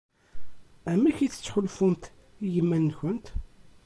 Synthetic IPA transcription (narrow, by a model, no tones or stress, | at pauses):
æmːiçiθə̥t͡sːħʊlfʊmt̪ | ijəmːænːçʊnt̪